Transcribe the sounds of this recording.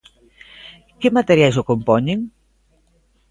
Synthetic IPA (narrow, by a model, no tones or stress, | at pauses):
kemat̪eɾjajsokompɔɲeŋ